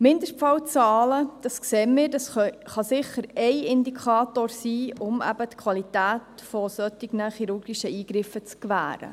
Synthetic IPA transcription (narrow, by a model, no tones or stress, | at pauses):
mɪnd̪əʂfɑwt͡sɑːləd̥ɑskseːmɪːɾdɑsχɑsɪχəɾɛɪɪnd̪ikʰɑːt̪oːɾsiːʊmæ̰bət̪kʰʋɑlitæːtfɔsœt̪ɪɡnəχiɾʊɾɡiʃəiːɡ̥ɾɪfət͡skʋæ̰ːɾə̰